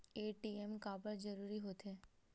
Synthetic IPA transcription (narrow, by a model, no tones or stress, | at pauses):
eːʈiːemkaːbəɾd͡ʒɐɾuːɾiɦoːt̪eː